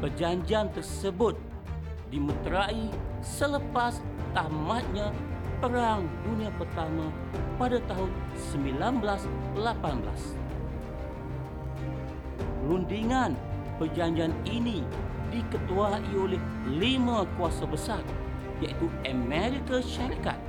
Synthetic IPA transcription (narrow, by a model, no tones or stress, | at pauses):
bərd͡ʒaɲd͡ʒiant̪ərsəbʊt̪̚ | dimət̪ɾai | sələpast̪amat̪̚ɲapəɾaŋduniapərt̪ama | padat̪aɦʊn | səmbilanblaslapanbəla̰s | lundiŋan | pərd͡ʒaɲd͡ʒianinidikət̪uaʔiolɛh | limakuasabəsar | jaʔit̪uəmɛɾikaʃaɾika̰t̪̚